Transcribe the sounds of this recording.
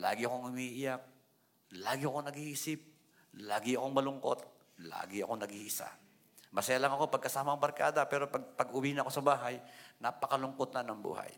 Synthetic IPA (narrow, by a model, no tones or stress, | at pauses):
la̰ːɡɪʔɐkoŋhʊmiʔɪjak̚ | laːɡɪʔɐko̞nɐɡisɪp̚ | laːɡɪɐko̞ŋmɐlʊŋko̞̰t̪̚ | la̰ːɡɪɐko̞nɐɡiɪsa̰ | mɐsɐjalɐŋɐko̞pɐɡ̚kɐsaːmɐɐŋbɐɾka̰ːd̪ɐpɛːɾo̞pɐɡ̚pɐɡʊwiːnɐko̞sɐbaːɦajnapɐkɐlʊŋkot̪̚nanɐŋbṵːha̰j